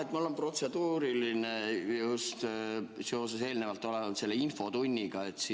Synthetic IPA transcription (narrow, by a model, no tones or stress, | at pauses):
et̪ːmulenpro̞t̪se̞d̪uːɾilinejustt̪seo̞ːsese̞ːlne̞vɑlt̪ːˑo̞lenɑt̪se̞lːeinfo̞t̪unʲːiɡ̥ɑe̞t̪ːsi